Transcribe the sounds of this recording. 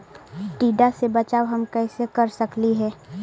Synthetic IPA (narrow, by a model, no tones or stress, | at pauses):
ʈiːɖasebɐt͡ʃaːwɦɐmkɛːsekɐɾsəkliɦɛː